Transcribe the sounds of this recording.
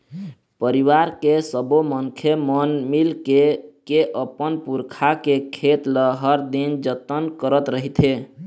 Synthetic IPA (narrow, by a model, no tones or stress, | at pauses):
pəɾiwaɾkesəboməŋkʰemənmilkekeʔəpənpuɾkʰakekʰet̪ləɦəɾd̪ind͡ʒət̪ənkəɾət̪ɾəɦit̪ʰe